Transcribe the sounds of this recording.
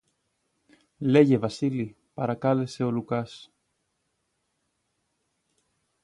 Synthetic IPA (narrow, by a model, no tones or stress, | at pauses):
le̞ʝe̞vɐsili | pɐɾɐkɐle̞se̞o̞lukɐs